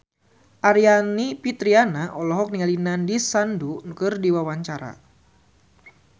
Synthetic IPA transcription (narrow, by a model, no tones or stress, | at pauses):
ʔaɾianipit̪ɾianaʔɔlɔɦɔk̚niŋalinandisandunukɨrdiwawaɲt͡ʃaɾa̰